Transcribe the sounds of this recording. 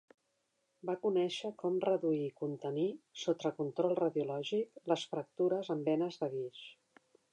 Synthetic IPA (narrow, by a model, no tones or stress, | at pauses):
bakunɛʃəkɔmrəðuikunt̪ənisot̪ɾəkunt̪ɾɔlˠrəðjulɔʒikləsfɾək̚t̪uɾəzəmbɛnəzðəɣiʃ